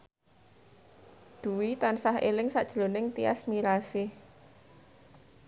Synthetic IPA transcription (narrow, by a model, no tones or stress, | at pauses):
d̪̥ṳwit̪ansaɦḛlɪŋsa̰ʔd̥ʒ̥ɾonɪŋt̪ia̰smiɾasɪ